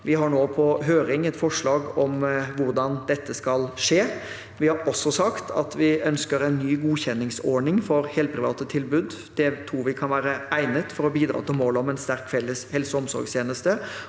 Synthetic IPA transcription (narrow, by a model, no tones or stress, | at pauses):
ʋɪɦɑɳoːpʰɔɦøːɾɪŋɛt̪fɔʂɭɑːɡɔmʋʊɾd̪ɑnd̪ɛt̪ːəskɑlʂeː | ʋɪhɑɾɔsːɔsɑkt̪ʰɑ̰t̪ʋɪʔœnskəɾɛnːyːɡuːçɛnːɪŋsɔɳɪŋfɔɾheːlt̪pʰɾɪʋɑ̰ːt̪ət̪ʰɪlbʉd̪ | d̪̥ɛt̪ʰɾuːʋɪkʰɑnʋæːɾəæɪnət̪fɔɾɔbiːd̪ɾɑ̰ːt̪ʰɪlmoːlɔmɛnst̪æɾkfɛlːəshɛlsəɔmsɔ̰ɾɡst̪ʰeːnəst̪ə